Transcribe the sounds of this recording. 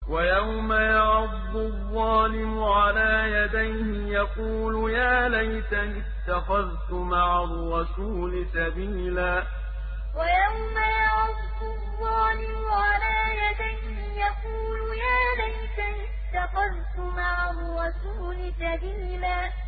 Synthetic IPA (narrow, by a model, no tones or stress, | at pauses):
wajawmajɑʕʊdːʊðˤːɑːlɪmʊʕalaːjad̪ajhɪjɑquːlʊjaːlajt̪aʔɪst̪ːaxɑðt̪ʊmaʕarːɑsuːlɪsabiːlaː | wajawmajɑʕʊdːʊðˤːɑːlɪmʊʕalaːjad̪ajhɪjɑquːlʊjaːlajt̪aʔɪst̪ːaxɑðt̪ʊmaʕarːɑsuːlɪsabiːlaː